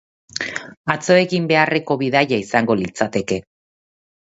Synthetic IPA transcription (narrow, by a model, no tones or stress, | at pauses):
at͡so̞e̞kimbe̞are̞ko̞βiðajaisaŋɡo̞lit͡sat̪e̞ke̞